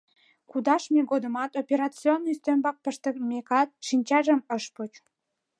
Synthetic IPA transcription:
kud̪ɑʃmeɡod̪ə̆mɑt̪opʲeɾɑt͡sionːist̪ømbɑk̚pəʃt̪ə̆kmekɑt̪̚ʃinʲt͡ɕɑʒəməʃpot͡ɕ

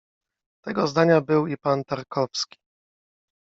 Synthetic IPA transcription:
t̪ɛɡɔzd̪aɲabɘwipant̪aɾkɔfskʲi̥

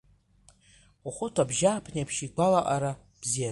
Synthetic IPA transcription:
ʊχʷʊtʰabʒaːpʰnepʰʃiɡʷalaʔʼaɾa | b̥zija

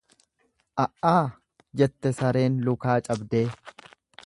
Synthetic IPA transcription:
ʔɐʔaː | d͡ʒɛt̪ːɛsɐɾe̞ːnlʊkaːt͡ʃʼɐbd̪e̞ː

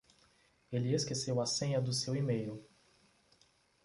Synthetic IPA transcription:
elɪeskesewɐsẽɲɐd̪ʊsewimejʊ

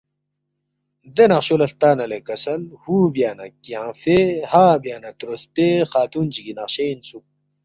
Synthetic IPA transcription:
d̪enɐqɕolɐst̪aːnɐlekɐsɐlhuːbjaːnɐ̰kjãːfehaːbijaːnɐt̪uɾospexaːt̪und͡ʑiɡinɐqɕeːnsuk̚

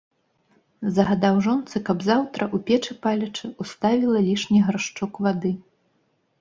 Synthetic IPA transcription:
zɐɣad̪awʐɔnt̪sɨkɐbzawt̪ɾɐʔupʲɛt͡ʂɨpalʲɐt͡ʂɨust̪avʲilˠɐlʲiʂnʲiɣɾaʂt͡ʂɔkvad̪ɨ

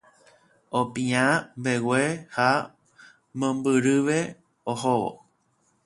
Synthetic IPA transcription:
õpĩãmbeweha | mõmbɨɾɨʋe | oɦoʋo̰

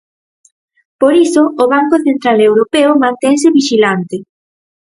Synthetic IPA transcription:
poɾisoʔːβ̞aŋkoθent̪ɾalewɾopeʊmãnt̪ɛŋs̬ɪβiʃilant̪ɪ

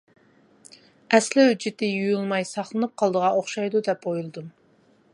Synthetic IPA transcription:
ɛslɪhyd͡ʒɪt̪ɪjujulˠmɑjsɑχlˠɨnɨp̚qʰɑlˠd̪əʁɑʔoχʃɑjd̪ud̪ɛpojulˠɨd̪um

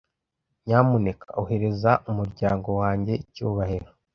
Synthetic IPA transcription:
ɲaːmune̞kʰḁuhe̞ɾe̞zaumuɾɟaːŋɡo̞waːɲɟe̞icuːβahiɾo

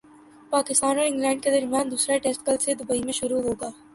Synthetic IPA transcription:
paːkɪst̪aːnoɪ̃ŋɡlɛ̃ːɳɖ̚ked̪ɐɾmijaːnd̪uːsɾaʈeːsʈkɐlsed̪ʊbəimẽʃʊɾuɦoːɡaː

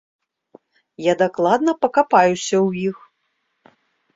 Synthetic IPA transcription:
jad̪aklˠad̪nɐpɐkapajusʲɐwjix

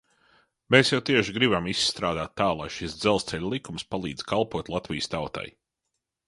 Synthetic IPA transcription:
meːsjawt̪iɛʃɡɾibamisːt̪ɾaːd̪aːt̪ːaːlˠajʃisd̪zɛlˠst̪sɛlʲlˠikumspalˠiːd̪z̥kʰalˠpuɔt̪lˠat̪vʲijst̪awt̪a̰j

